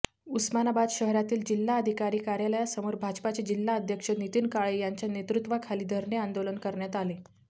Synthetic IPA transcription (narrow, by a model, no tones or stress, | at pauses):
usmanabad̪ɕəɦɾat̪iːld͡ʑilːaəd̪ʱikaɾiːkaɾjaljasəmoɾbʱad͡ʑpat͡ɕed͡ʑilːaəd̪ʱjəkʂənit̪iːnkaɭejaɲt͡ɕjanet̪ɾut̪ʋakʰaliːd̪ʱəɾɳeand̪olənkəɾɳjat̪ale